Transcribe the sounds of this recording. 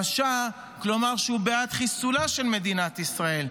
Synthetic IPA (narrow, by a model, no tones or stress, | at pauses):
aʃa | klo̞maʁʃeubeat̪χisulaʃe̞lme̞d̪inat̪isʁae̞l